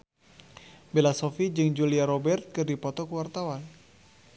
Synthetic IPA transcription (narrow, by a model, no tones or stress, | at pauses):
belasɔfid͡ʒɨŋd͡ʒuliaɾɔbɛrt̪̚kɨrdipɔt̪ɔkuwart̪awan